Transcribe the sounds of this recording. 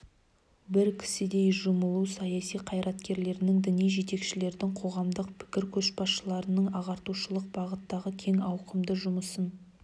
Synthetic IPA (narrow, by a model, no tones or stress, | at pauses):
bɪɾkʲʰɪ̥sɪd̪e̞jʒʊməlˠusɑjɑsijqʰɑjɾɑt̪kʲe̞ɾle̞ɾɪnɪŋd̪ɪnijʒe̞t̪e̞kʃɪle̞ɾd̪ɪŋqʰo̞ʁɑmd̪əqpʰɪ̥kʲɪɾkʲʰɵʃbɑsʃəlˠɑɾənəɴɑʁɑɾt̪uʃəlˠəq̚bɑʁət̪ːɑʁəkʲʰe̞ŋɑwqəmd̪əʒʊməsən